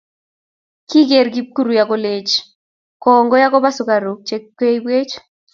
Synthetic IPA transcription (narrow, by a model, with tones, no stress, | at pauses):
ki˦ɡe˨ɾɡi˦p̚ku˦ɾu˨jako˦le˦t͡ʃ | kɔ˨ŋɡɔ˦ja˦kɔ˦ba˦sʊ˨ka˨ɾo˨k̚t͡ʃe˦kːwe˦i˦bwe˦t͡ʃ